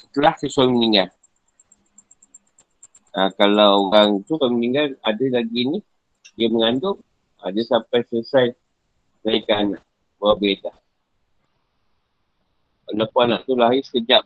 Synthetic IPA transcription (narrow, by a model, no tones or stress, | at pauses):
t̪əlahsəsuaməniŋɡal | akalawɣaŋt̪uswaiməniŋɡaladəlaɡini | diəməŋandʊm | a̰dəsampajsləsaj | naikanaʔ | buabedah | alapuanaʔt̪ulaisəd͡ʒap̚